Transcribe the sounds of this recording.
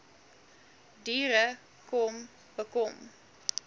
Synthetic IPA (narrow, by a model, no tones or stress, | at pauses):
diːɾə | kɔm | bəkɔm